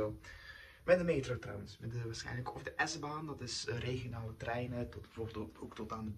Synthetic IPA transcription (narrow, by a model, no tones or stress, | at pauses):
mɛdəmeːtɾowtrɑ̰wənsmɛdəʋaːɹsxɛ̰jnləkʰɔvdəʔɛzbaːndɑtɪsreɣionaːlətrɛjnətɔbəvoboktɔtaːndə